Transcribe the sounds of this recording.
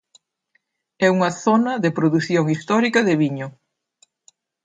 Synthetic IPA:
ɛuŋɐθɔnɐðepɾoðuθjoŋist̪ɔɾikɐðɪβiɲʊ

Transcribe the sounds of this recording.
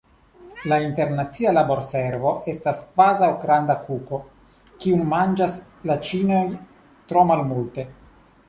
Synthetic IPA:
lainte̞ɾnat͡sialabo̞ɾseɾvo̞ʔe̞staskvazawɡɾandakuko̞ | kiunmand͡ʒas | lat͡ʃinoj | t̪ɾo̞malmulte̞

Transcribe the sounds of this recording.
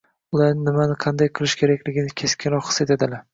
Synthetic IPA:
ʊlˠaɾnɪmanɪqʰɑnd̪ajqʰɨlˠɪʃkʲʰe̞ɾakʲlɪɡʲɪnɪkʲʰe̞skʲʰɪnɾɒqχɨ̥set̪ed̪ɪla

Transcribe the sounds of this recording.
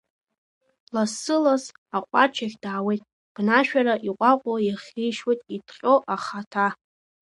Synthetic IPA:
lasɨlaz | aqʷʼat͡ʃʰaχʲdaːwejtʼ | b̥naʃᶣaɾaʔiqʷʼaqʷʼojaχʲijʃwojtʼitʰqʲʼoʔaχatʰa

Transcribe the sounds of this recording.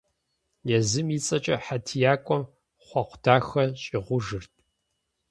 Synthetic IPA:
nezɨmiːt͡sʼɐt͡ʃʼɐħatʰijaːkʷʼɔm | χʷɐqʷʊtʰaːxɐɕʼɪʁʷʊʒɨrtʰʼ

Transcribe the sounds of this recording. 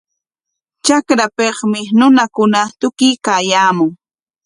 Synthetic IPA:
t͡ʃakɾapeχmɪnʊnakʊnat̪ʊkɪjkaːjaːmʊŋ

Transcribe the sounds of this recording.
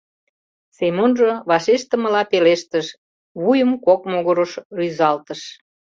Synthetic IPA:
semonʒəβɑʃeʃt̪ə̆mə̆lɑpeleʃt̪əʃ | βujəmkokmoɣoɾoʃryzɑlt̪əʃ

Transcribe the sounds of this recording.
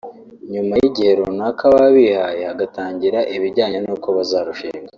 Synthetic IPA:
ɲumajiɟihe̞ɾonakʰaβaβihajeaɡataːɲɟiɾaʔiβiɾɟaːɲenuːko̞βazaːɾuʃiːŋɡa

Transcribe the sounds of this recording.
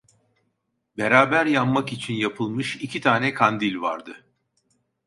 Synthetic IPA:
beɾaːbæɾjamːakit͡ʃʰinjapʰɯlˠmɯʃicʰit̪ʰaːnɛkʰand̪ilʲva̰ɾd̪ɯ

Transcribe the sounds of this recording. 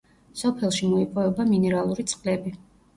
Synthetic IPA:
sɔpʰɛlˠʃimɔipʼɔvɛbaminɛɾalˠuɾit̪sʼqʼlɛbi

